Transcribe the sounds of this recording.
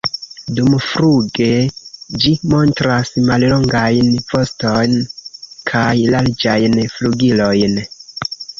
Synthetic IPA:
dumfɾuɡe̞d͡ʒimo̞ntɾasmallo̞ŋɡajnvo̞sto̞jnkʰajlaɾd͡ʒajnfluɡilo̞jn

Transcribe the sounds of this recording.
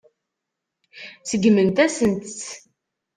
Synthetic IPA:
t͡səɡmənt̪æsənt̪t͡sː

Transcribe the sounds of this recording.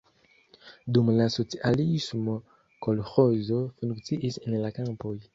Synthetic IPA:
d̪umlasot͡siʔalismo | kɔlxɔzofũŋksiʔisɛnlakãpoj

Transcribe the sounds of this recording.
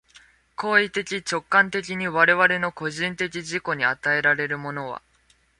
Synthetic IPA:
ko̞ːit̪e̞kʲit͡ɕo̞kːãnt̪e̞kʲiɲ̟iβaɾe̞βaɾe̞no̞ko̞ʑĩnt̪e̞kʲiʑiko̞ɲ̟iat̪ae̞ɾaɾe̞ɾɯ̟mo̞no̞β̞a̰

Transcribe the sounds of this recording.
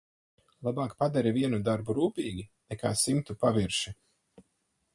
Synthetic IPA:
lˠabaːkpad̪aɾiviɛnud̪aɾbuɾuːpiːɡʲinɛkaːsimt̪upaviɾʃi

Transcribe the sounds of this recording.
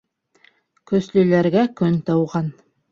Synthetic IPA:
kɵ̆slɵ̆læɾɡækɵnt̪ɤwʁɑn

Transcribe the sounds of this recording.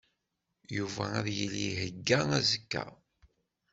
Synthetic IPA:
juvææðjəlːiɦəɡːææzəkːæ̰

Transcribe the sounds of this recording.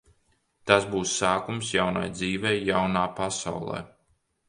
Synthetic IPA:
t̪asbuːsːaːkumsjawna̰jd̪ziːvʲɛːjawnaːpasa̰wlˠɛ̰ː

